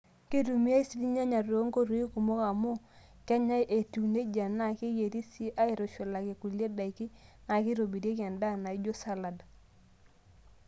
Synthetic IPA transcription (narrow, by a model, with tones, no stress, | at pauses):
ki˦ɾu˨mi˦a˦i˦si˦li˦ɲa˦ɲa˨ɾo˦ŋko˦ɾu˨˦i˦ku˨mo˦ka˨mu˦ | kɛ˦ɲa˦jʔe˨tu˨ne˦d͡ʒa˨na˦˨ki˦je˨ɾi˦si˦ʔa˦i˨ɾo˨ʃo˨la˨ke˨ku˨le˦da˨i˨ki˦na˨kɪ˦ɾo˨bi˨ɾje˦ki˦a˨nda˦˨na˨i˦d͡ʒo˦sa˦la˨da˨